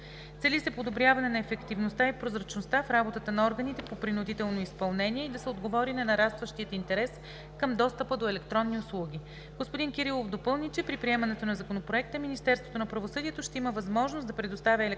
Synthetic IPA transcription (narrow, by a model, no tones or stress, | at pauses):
t̪sɛlisɛpod̪obɾʲjavɐnɛnɐɛfɛkt̪ivnost̪aipɾozɾɐt͡ʃnost̪afɾabot̪ət̪ənɐɔɾɡənit̪ɛpopɾinʊd̪it̪ɛlˠnoispɐlˠnɛniɛid̪ɐsɛod̪ɡovɔɾinɐnɐɾast̪vəʃt̪iət̪int̪ɛɾɛs | kɤmd̪ɔst̪əpəd̪oɛlɛkt̪ɾɔnːiʊslˠuɡʲi | ɡ̥ospod̪inkɛɾilˠofd̪opɤlˠnit͡ʃɛpɾipɾiɛmɐnɛt̪onɐzɐkonopɾoɛk̚t̪əminist̪ɛɾst̪vot̪onɐpɾɐvosɤd̪iɛt̪oʃt̪ɛiməvɐzmɔʒnosd̪ɐpɾɛd̪ost̪avʲəɛlɛ